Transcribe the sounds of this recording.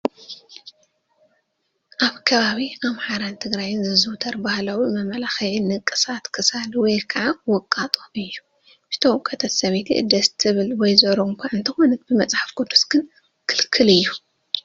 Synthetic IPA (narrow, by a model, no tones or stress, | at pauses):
ʔaβkʰɐβaβiamħaɾant̪ʰɨɡɾajɪnzɨzɨwt̪ʰɐɾbahlawimɐmɐlaxɐjɪnːɨkʼːɨsat̪kʰɨsalwɔjkʰɐʕawɔkʼːat̪ʼoɨjːu̥ | ʃt̪ʰɐwkʼɐt̪ʰɐt̪sɐβet̪ʰḭʔɨ̰d̪ɐst̪ʰɨβɨlwɔjzɐɾoŋkʷʰaʔɨnt̪ʰɨxonɐt̪̚bɨmɐt͡sʼħḁfɡ̥od̪usɡ̥ɨn | kʰɨlkʰɨlɨjːu